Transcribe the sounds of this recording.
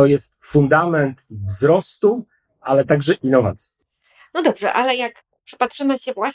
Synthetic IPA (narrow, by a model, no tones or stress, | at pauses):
ɔjɛst̪fund̪amɛnt̪vzɾɔst̪u | alɛt̪aɡʐɛʔinːɔva̰t̪sʲji | nɔd̪ɔbʐɛ̰ʔalɛjak | pʂɘ̥patʂɘmɘɕɛvwa